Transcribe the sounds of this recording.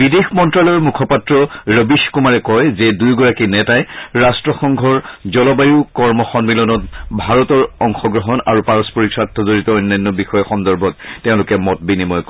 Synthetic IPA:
bidexmɔntɹalɔɹmukʰɔpatɹɔɹəbiʃkumaɹɛkɔjzɛdujɡɔɹakinɛtajɹastɹɔxɔŋɡʱɔɹzɔlɔbajukɔɹmɔxɔnmilɔnɔtbʱaɹɔtɔɹɔŋxɔɡɹɔɦɔnaɹupaɹɔspɔɹiksatʰːɔzoɹitɔɔjnːajnːɔbixɔjɔxɔndɔɹbʱɔt̚teʊ̃lʊkɛmɔt̚binimɔjk

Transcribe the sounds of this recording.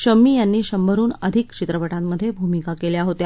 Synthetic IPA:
ɕəmiːjanːiːɕəmbʱəɾuːnəd̪ʱikt͡ɕit̪ɾəʋəʈamːəd̪ʱːjebʱumikakeljaɦot̪ja

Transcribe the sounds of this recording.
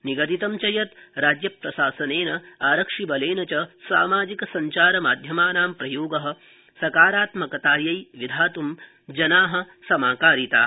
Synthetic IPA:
niɡɐt̪it̪ɐmt͡ʃɐjɐt̪ɾaːd͡ʒjɐpɾɐʃaːsɐneːnɐaːɾɐkʂibɐleːnɐt͡ʃɐsa̰ːmaːd͡ʒikɐsɐɲt͡ʃaːɾɐmaːd̪ʱjɐmaːnaːmpɾɐjoːɡɐɦɐ̆ | sɐkaːɾaːt̪mɐkɐt̪aːɾjɐjʋid̪ʱaːt̪um | d͡ʒɐnaːɦɐ̆ | sɐmaːkaːɾit̪aː

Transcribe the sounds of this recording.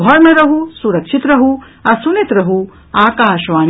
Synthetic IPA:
ɔɾmɐɾɐɦusuɾɐkʂit̪ɾɐɦu | ɐsunit̪ɾɐɦu | aːkaːʃʋaːn

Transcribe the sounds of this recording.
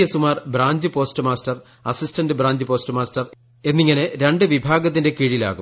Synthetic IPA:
jɐsumaːrbɾaːɲd͡ʑɨpo̞ːstɨmaːstɐr | ɐsistɐndɨbraːɲd͡ʑɨpo̞ːstɨmaːstɐr | e̞nːiŋːɐneɾe̞ɳɖɨʋibʱaːɡɐt̪ːinde̞kiɻila̰ːɣṵm

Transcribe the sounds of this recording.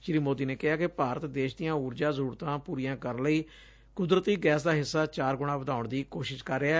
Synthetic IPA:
ʃɾiːmoːd̪iːneːkɪɦaːkɪpaːɾət̪d̪eːʃd̪ijãːuːɾd͡ʒãːzəɾuːɾt̪ãːpuːɾijãːkəɾnləiː | kʊd̪ɾət̪iːɡɛːsd̪aːɦɪsːaːt͡ʃaːɾɡʊɽ̃ãːʋəd̪aːʊɳd̪iːkoːʃɪʃkəɾːeɛː

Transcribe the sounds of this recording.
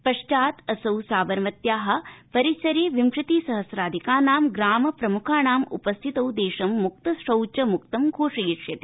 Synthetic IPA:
pɐʂt͡ʃaːt̪ɐsɐwsaːʋɐɾʋɐt̪jaːɦɐ̆pɐɾit͡ʃɐɾeːʋimʂɾɪt̪iːsɐɦɐsɾaːd̪ʱikaːnaːmɡɾaːmɐpɾɐmukʰaːnaːmṵpɐst̪ʰit̪ɐwd̪eːʃɐmːuk̚t̪ɐsʂɐwt͡ʃɐmukt̪ɐmɡʱoːʂijiʂjɐt̪i̥

